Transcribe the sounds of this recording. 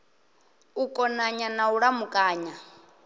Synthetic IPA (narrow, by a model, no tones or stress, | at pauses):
ukʼɔnaɲanauɺamukʼaːɲa